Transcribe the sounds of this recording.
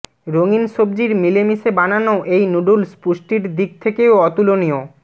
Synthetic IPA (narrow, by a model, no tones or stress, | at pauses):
ɾoŋinʃobd͡ʑiɾmilemisebananoʔejnuɖulspuʃʈiɾd̪ik̚t̪ʰekeoɔt̪ulonio